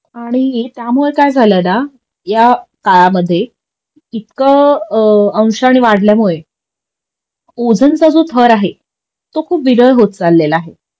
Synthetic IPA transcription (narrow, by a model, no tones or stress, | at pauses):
aɽ̃it̪jamuɭekajd͡zʱaləna | jakaɭaməd̪ʱːje | it̪kə | ə̃w̃ɕaɽ̃iʋaɽ̤ljamuɭe | od͡zənt͡sad͡zot̪ʰəɾaɦe | t̪okʰuːpʋiɾəjɦot̪̚d͡zalːeləaɦe